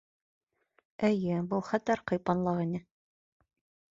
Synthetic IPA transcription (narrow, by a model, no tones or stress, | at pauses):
ɘjɘbɤlˠχæt̪æɾqɤ̆jpɑnlˠɑʁinɘ